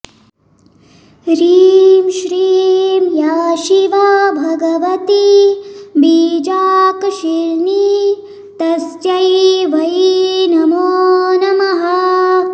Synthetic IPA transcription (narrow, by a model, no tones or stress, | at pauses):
ɾiːmʃɾiːmjaːʃiʋabʱɐɡɐʋɐt̪i | biːd͡ʒaːkʃiɾni | t̪ɐsjɐjʋɐjinɐmoːnɐmɐɦɐ